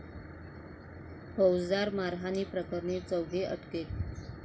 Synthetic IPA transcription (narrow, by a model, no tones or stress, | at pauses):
pəwd͡zd̪aɾmaɾɦaniːpɾəkəɾɳet͡səwɡeʔə̰ʈket̪̚